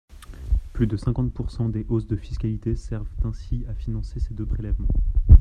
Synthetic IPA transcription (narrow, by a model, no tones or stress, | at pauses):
plyd̪əsɛ̃kɑ̃t̪̚puʁsɑ̃d̪eʔosd̪əfiskʲalit̪esɛʁvt̪ɛ̃siafinɑ̃sesed̪øpχelɛvmɑ̃